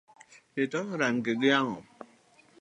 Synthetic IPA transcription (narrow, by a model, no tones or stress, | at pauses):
etɔɾaŋ̩keɡijaŋɔ